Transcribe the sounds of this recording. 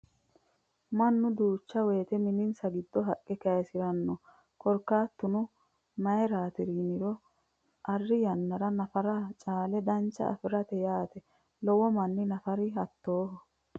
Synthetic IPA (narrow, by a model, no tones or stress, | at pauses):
mɐnːʊd̪uːt͡ʃːɐwe̞ːt̪ɛmɪnɪnsɐɡɪd̪ːɔɦɐkʼːɛkɐjsɪɾɐnːɔ | kɔɾkːaːt̪ːʊnʊ | mɐjɛɾaːt̪ɪɾiːnɪɾɔ | ʔɐrːɪjɐnːɐɾɐnɐfɐɾat͡ʃʼaːlɛd̪ɐnt͡ʃːɐ̰ʔɐ̰fɪɾɐt̪ɛjaːt̪ɛ | lɔwɔmɐnːɪnɐfɐɾɪɦɐt̪ːo̞ːɦɔ